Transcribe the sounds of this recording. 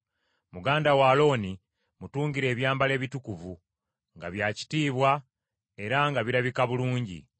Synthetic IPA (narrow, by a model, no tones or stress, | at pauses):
muɡaːndawaːlo̞ːni | mutuːŋɡiɾe̞ːβjaːmbale̞ːβitukuvu | ŋɡaβjaːci̥tiːβwa | e̞ɾaŋɡaβiɾaβikaβuluːɲɟḭ